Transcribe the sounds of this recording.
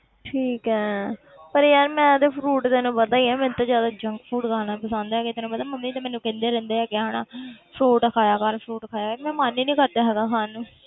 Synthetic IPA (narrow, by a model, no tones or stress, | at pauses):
ʈʰiːkɛː | pəɾjaːɾmɛ̃ːd̪eːpʰɾuːʈt̪eːnũːbəd̪aːiːɛːmɛ̃ːt̪ãzjaːd̪aːd͡ʒəŋkpʰuːʈkaːnãpəsãːnd̪aɛːkɪt̪eːnũpəd̪aːməmːĩːt̪aːmɛːnũːkẽnd̪eːɾɛ̃ːnd̪eːɛːɡɪaːɦaːnaːpʰɾuːʈkʰaːjaːkəɾpʰɾuːʈkʰaːjaːkəɾmɛ̃ːmaːniːnĩːkəɾd̪aːɦɛːɡaːsaːnũː